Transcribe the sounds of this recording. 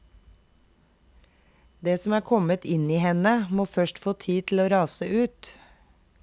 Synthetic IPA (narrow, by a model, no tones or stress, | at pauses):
d̪eːsɔm̩æːkʰɔmət̪ɪniːhɛnəmoːfœʃʈfoːt̪ʰiːt̪ʰl̩oːɾɑːsəʔʉːt̪